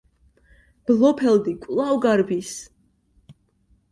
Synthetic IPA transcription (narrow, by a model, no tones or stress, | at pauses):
b̥lˠɔpʰɛld̪ikʷʼlˠawɡaɾbis